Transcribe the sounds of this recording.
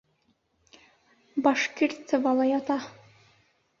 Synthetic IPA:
bɑʃkiɾʲt̪sɤvɑlˠɑjɑt̪ɑ

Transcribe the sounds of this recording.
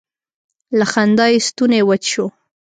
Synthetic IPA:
laxand̪ɑjist̪unewət͡ʃʃo

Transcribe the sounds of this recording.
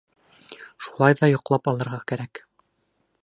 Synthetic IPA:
ʃu̥lˠɑjðɑjŏqlˠɑpɑlˠɤ̆ɾʁɑkæɾæk

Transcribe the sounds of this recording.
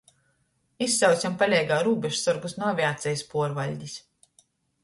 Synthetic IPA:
isːaw̪sʲampalʲɛjɡaːɾuːbʲɛʃsɔɾɡusnuvʲiaːt̪sʲɛjspuɔɾvalʲɟʲis

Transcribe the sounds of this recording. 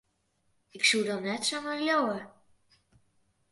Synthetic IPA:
ɪksudɑnːɛtsomaɹlowə

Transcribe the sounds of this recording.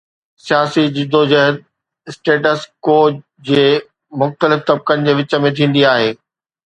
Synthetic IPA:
sijaːsid͡ʑɪd̪od͡ʑɐɦəd̪̚ | ɪsʈeːʈəskoː | d͡ʑeː | mʊxt̪əlɪft̪ɐb̚kənɪ̆d͡ʑeːʋɪt͡ɕə̆mẽt̪ʰĩːn̆d̪iaːɦeː

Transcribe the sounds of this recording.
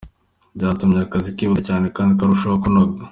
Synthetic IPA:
ɟaːtumɲakazikiβutecaːnekaːndikaɾuʃookunoɡa

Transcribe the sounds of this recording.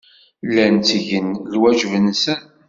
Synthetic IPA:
lːænt͡sʝənlwæʒvənsæn

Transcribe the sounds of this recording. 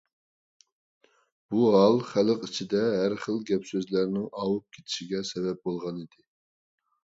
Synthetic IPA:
b̥uɦɑlˠχæləqit͡ʃʰid̪ɛɦæɾχəlˠɡʲɛpsøzlæɾnɪŋɑːwup̚kʲʰe̥t̪ʰɪ̥ʃiɡʲɛsɛbɛp̚bolˠʁɑnid̪ɪ

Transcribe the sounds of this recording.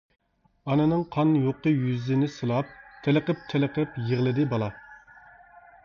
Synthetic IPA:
ɑnɨnɨŋqʰɑnjoqəjyzɪnɪsɨlˠɑp̚t̪ʰeləqəp̚t̪ʰelɪqəpjeʁlˠɨd̪ɪbɑlˠɑ

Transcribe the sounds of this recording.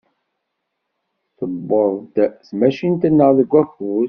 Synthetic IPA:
θəbːəðˤd̪smæʃint̪ənːəðəɡʷːæxuð

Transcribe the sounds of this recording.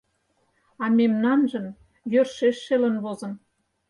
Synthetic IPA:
ɑmemnɑnʒə̆m | jørʃeʃːelə̆nβozə̆n

